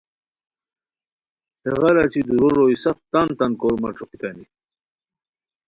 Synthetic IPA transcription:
heʁɑɾat͡ɕid̪uɾoɾoisɐft̪ant̪ɐnkoɾmɐ̰ʈ͡ʂoqit̪ani

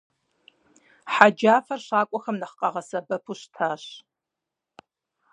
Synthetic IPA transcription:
ħad͡ʒaːfɐrɕaːkʷʼɔxɐmnɐχqɐʁɐsɐbɐpʰuɕtʰaːɕ

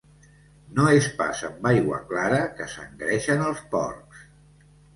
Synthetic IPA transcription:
noespa̰səmbajɣwə̰klaɾəkəsə̰ŋɡɾɛʃənəlˠspɔ̰rks

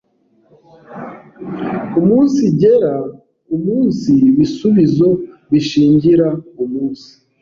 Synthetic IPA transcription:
umuːnsiɟe̞ɾa | umuːnsiβisuβizo̞βiʃiːɲɟiɾaumuːnsi̥

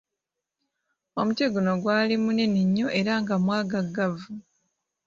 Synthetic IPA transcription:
o̞muteɡuno̞ɡwaːlimune̞neɲːo̞ʔe̞ɾaŋɡamwaːɡaɡavu

